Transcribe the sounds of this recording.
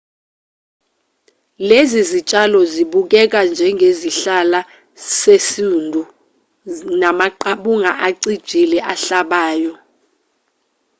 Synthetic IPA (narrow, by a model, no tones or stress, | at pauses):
lezizit͡ʃʼalɔziɓuk̬ɛk̬and͡ʒʱɛŋɡʱeziɬala | sesindʱu | namaǃaɓuŋaʔaǀid̥ʒ̥ʱilɛʔaɬaɓaːjɔ